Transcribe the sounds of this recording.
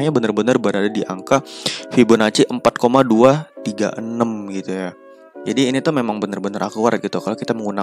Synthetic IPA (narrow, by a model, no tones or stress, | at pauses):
ɲabənərbənərbəɾadadiʔaŋkafibʊnat͡ʃiʔəmpat̪̚komaduat̪iɡa̰ʔənəmɡit̪uja | d͡ʒadiːnit̪umemaŋbənərbənəɾʔa̰kua̰rt̪̚ɡit̪ukalokit̪aməŋuna